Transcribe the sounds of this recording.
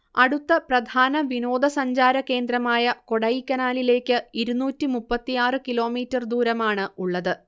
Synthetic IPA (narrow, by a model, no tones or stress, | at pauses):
ɐɽut̪ːɐprɐd̪ʱaːnɐʋino̞ːd̪ʱɐsɐɲd͡ʑaːɾɐke̞ːnd̪ɾɐmaːjɐko̞ɽɐjikʲːɐnaːlile̞ːkːɨiɾunuːtːimupːɐt̪ːijaːrɨkilo̞ːmiːtːɐrd̪uːɾɐmaːɳɨuɭːɐðɨ